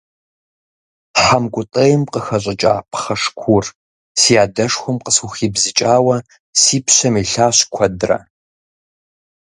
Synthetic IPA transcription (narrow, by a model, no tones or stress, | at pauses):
ħamkʷʊtʼɨjɪmqəxɐɕ̬ʼɐt͡ʃʼa̰ːpʰχɐʂkʷʰur | sijaːdɐʂxʷɔmqəsuxiːbzɨt͡ʃʼaːwɐ | siːpɕɐmiɬaːɕkʷʰɐdrɐ̰